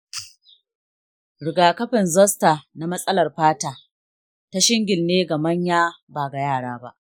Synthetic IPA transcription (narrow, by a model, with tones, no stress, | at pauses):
ɽɪ˨ɡaː˨kɐ˦ɸɪ˨nzɐ˦sta˨na˨mɐ˦sʼɐ˦lɐ˨rɸaː˦taː˨ | ta˦ʃɪ˦ŋɡʲɪ˨lneː˦ɡa˨mɐ˦ɲjaː˦baː˨ɡa˨jaː˦˨ɽaː˦ba̰˦ʔ